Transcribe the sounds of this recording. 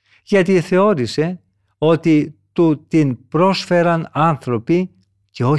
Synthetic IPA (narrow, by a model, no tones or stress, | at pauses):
ʝɐt̪iθe̞o̞ɾise̞ | o̞t̪it̪ut̪inpɾo̞sfe̞ɾɐnɐnθɾo̞pi | ce̞o̞